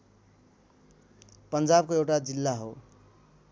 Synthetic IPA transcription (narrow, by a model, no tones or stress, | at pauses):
pʌnd͡zab̚koewʈad͡zilːaɦo̰